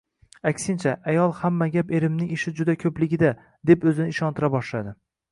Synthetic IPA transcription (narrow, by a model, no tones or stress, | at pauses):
akʲsɪnt͡ʃʰaajɒlˠhamːaɡʲape̞ɾɪmnɪŋɪʃɪd͡ʒʊd̪akʲʰɵplɪɡʲɪd̪a | d̪e̞pɵzɪnɪɪʃɒnt̪ʰɪɾabɒʃlad̪ɪ